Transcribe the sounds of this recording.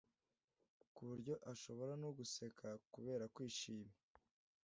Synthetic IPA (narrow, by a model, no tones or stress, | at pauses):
kuβuɾɟo̞ʔaʃo̞βo̞ɾanuɡuse̞kʰakuβe̞ːɾakwiːʃiːme